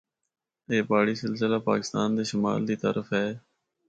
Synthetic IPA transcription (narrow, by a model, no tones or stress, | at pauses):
eːbaːɽiːsɪlsɪlaːpa̰ːkɪ̥st̪aːnd̪eːʃʊma̰ːld̪iːt̪ə̰ɾəfɦɛː